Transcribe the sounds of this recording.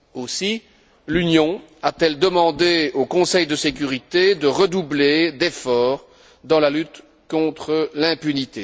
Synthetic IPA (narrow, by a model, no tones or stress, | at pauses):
osi | lynjɔ̃at̪ɛld̪əmɑ̃d̪eokɔ̃sɛjd̪əsekʲyʁit̪ed̪əʁəd̪ubled̪efɔːʁ | d̪ɑ̃lalyt̪ | kɔ̃t̪χəlɛ̃pynit̪e